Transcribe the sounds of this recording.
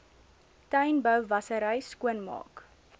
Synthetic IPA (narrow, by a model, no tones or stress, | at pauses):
tœjnbœwvɐsəɾəjskuənmɑ̰ːk